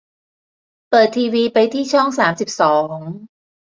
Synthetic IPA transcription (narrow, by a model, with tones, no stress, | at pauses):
pɤː˨˩t̪ʰːiː˧wiː˧pa˧jt̪ʰiː˥˩t͡ɕʰɔ˥˩ŋsaː˩˦msi˨˩p̚sɔː˩˦ŋ